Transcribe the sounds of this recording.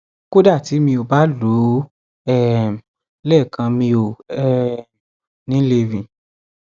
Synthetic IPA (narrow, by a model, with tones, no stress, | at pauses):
ko˦da˦˨ti˨˦mĩ˧o˨ba˨˦lu˨˦ | ɛ˦˨m˨ | lɛ˦˨kʰã˧mĩ˧o˨ɛ˦˨ | nĩ˨˦le˧vĩ˨